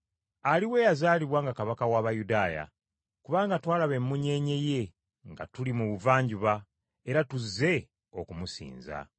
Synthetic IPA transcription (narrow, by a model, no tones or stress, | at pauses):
aliwe̞ːjazaːliβwaːŋɡakaβakawaːβajudaːja̰ | kuβaːŋɡatwaːlaβe̞mːuɲe̞ɲe̞je̞ | ŋɡa̰tulimuβuvaːɲɟuβa | e̞ɾatuzːe̞ | o̞kumusḭːnza̰